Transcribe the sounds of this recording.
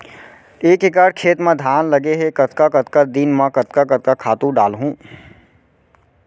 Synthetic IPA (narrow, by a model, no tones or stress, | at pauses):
eːkɦɪk̬aːɽkʰeːt̪mãd̪ʱaːnlɐɡeɦekɐt̪kakɐt̪kad̪inmãkɐt̪kakɐt̪̚kakʰaːt̪ũɖaːlɦũː